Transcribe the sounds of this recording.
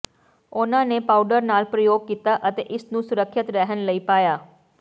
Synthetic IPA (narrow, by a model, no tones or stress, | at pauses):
ʊnãːneːpaːuɖəɾnaːlpɾəjoːɡ̚kiːt̪aːʔət̪ḛːʔɪsnũːsʊɾəkʰːɪt̪ɾɛɦənləiːpaːjaː